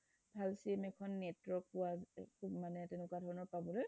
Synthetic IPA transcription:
bʱalsimɛkʰɔnːɛtwɔɹk̚pʊwamanɛtenʊkwadʱɔɹɔnɔɹpabɔloj

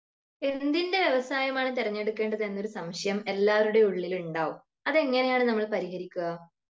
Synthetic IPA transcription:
e̞nd̪inde̞ʋjeʋɐsaːjɐmaːɳɨt̪̬irɐɲːe̞ɽukːe̞ːɳɖɐðe̞nːo̞ɾusɐmʂɐjɐme̞lːaːʋɐɾuɽe̞uɭːiluɳɖaːʋum | ɐðe̞ŋːɐnejaːɳɨnɐmːɐɭpɐɾihɐɾikʲːuɣɐ

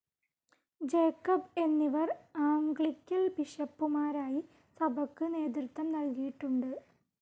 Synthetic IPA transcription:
d͡ʑe̞ːkːɐbe̞nːiʋɐraːmɡɭikʲːɐlbiʂɐpːumaːɾaːji | sɐbʱɐkːɨne̞ːd̪rɨt̪ːɐmnɐlkijiʈːuɳɖɨ

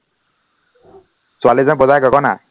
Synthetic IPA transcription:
swalizanbɔzajɡɔkɔna̰

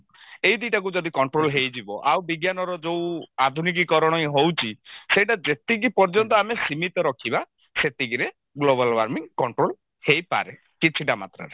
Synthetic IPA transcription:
ejd̪iʈak̬ud͡ʒɔd̪ikɔɳʈɾolɦejd͡ʒibɔʔawbiɡjanɔɾɔd͡ʒowad̪ʱunik̬ikɔɾɔɽ̃ɔjɦowt͡ʃʰisejʈad͡ʒet̪iɡipɔɾd͡ʒɔnt̪ɔamesimit̪ɔɾɔkʰiba | set̪iɡiɾe | ɡlobalwaɾmiŋkɔɳʈɾol | hejpa̰ɾe | kit͡ʃʰiʈama̰t̪ɾɔ̰ɾe

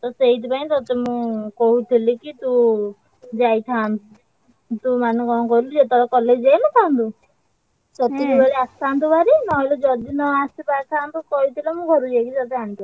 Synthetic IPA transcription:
t̪ɔseɦit̪ʰipaĩt̪ɔt̪emũkɔɦuʈ̪ʰilikit̪u | d͡ʒajt̪ʰan | t̪umanẽkɔ̃kɔɾilud͡ʒet̪ɔɾɔkɔled͡ʒajnɔk̪ʰãnt̪u | tɔt̪iibaɾiast̪ʰant̪ubaɾinɔɦilɔd͡ʒɔd̪inɔasipak̪ʰant̪ukɔɦit̪ʰilamũɡʱɔɾud͡ʒajkit̪ɔt̪eant̪u

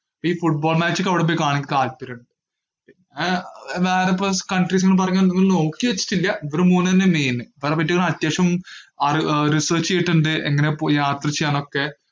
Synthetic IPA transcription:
pːoiːfuʈ̚bo̞ːlmaːt͡ɕːɨkːɐʋiɽep̬ːoːjkaːɳiŋk̬ʲːit̪aːlpɐɾuɳɖɨ | pinːeʋeːɾep̬ːokɐɳɖriːs̬eŋːɐɭp̬ɐrɐɲːaːniŋːɐɭno̞ːkːiʋet͡ɕːi̥ʈːilːɐiʋɐɾumuːnːɨɐnːemeːnɨʋeɾɐpːɐʈ̬ːiɣɐɳːɐt̪jeːʂɐmɐrrisɐːrt͡ɕːejiʈːuɳɖɨʔḛŋːɐnepjaːt̪rɐt͡ɕːejaːno̞kːe̞

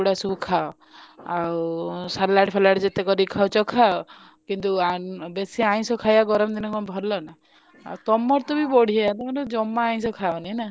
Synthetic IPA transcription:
uɽasubukʰaɔ | awsalaʈpʰalaʈd͡ʒet̪ekɔɾikʰawt͡ʃɔkʰaɔ | kint̪uabesiaj̃sɔkʰajaɡɔɾɔmd̪inɔkɔbʱɔlːɔna | a̰wt̪ɔmːɔɾt̪ɔbibɔɽ̤iaat̪ɔɔɾɔd͡ʒɔmːaːj̃sɔkʰawnina

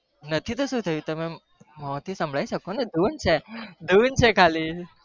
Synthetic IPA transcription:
nət̪ʰit̪oʃũt̪ʰəjũt̪əme | mɔt̪ʰisə̃mbɭaiʃəkoned̪ʱunt͡ʃʰed̪ʱunt͡ʃʰekʰali

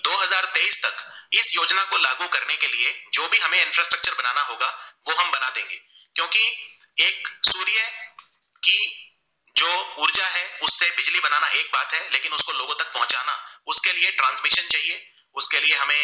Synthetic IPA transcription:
d̪oːɦɐzaːɾt̪eːiːst̪ɐkɪsjoːd͡ʒnakolaːɡukɐɾnekelied͡ʒoːbʱiɦɐmẽɪ̃nfɾaːsʈɾɐk̚t͡ʃəɾbɐnaːnaɦoːɡaʋoːɦɐmbɐnad̪ẽːŋɡeː | kjõːki | eːksuːɾijə | ki | d͡ʒoːʊɾd͡ʒaɦɛʊsːebɪd͡ʒlibɐnaːnaʔeːk̚baːt̪ɦɛleːkɪnʊskoloːɡõt̪ɐk̚pɐɦʊ̃t͡ʃa̰ːnaʊskelieʈɾãːnsmɪʃənt͡ʃaːɦieː | ʊskelieɦɐmẽ

